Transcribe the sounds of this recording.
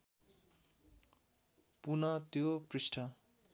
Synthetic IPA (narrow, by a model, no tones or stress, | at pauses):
punʌt̪joprisʈʰʌ